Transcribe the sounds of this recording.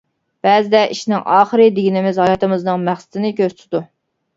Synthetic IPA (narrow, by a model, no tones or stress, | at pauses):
b̥ɛːzɪd̪ɛʔiʃnɪŋʔɑːχəɾɨd̪ɪɡʲinɪmɪzhɑjɑt̪ɨmɨznɨŋmæχsɪ̥t̪ʰɪnɪkʲʰøzt̪ʰd̪u